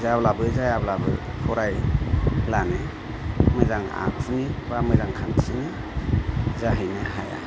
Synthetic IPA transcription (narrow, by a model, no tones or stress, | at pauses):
zablabɯzajablabɯ̰ | kʰɔɾaj | lanɯ | mɯjzaŋa̰kfʰunibamɯjzaŋkʰansinɯ | zaɦɯjnɯɦaja̰